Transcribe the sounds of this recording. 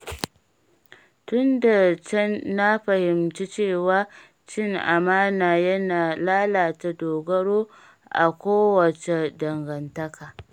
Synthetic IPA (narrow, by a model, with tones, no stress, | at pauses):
tʊ˦nda˨t͡ʃɐ˦nːa˦ɸɐ˨hɪ˨mt͡ʃi˦t͡ʃeː˦˨waː˦ | t͡ʃɪ˦ŋʔa˨maː˦naː˨jɐ˦naː˨laː˦laː˨ta˨doː˨ɡɐ˦ɽoː˦ | ʔa̰˨kʷoː˦wɐ˨t͡ʃe˨dɐ˨ŋɡɐ˨ntɐ˦kaː˨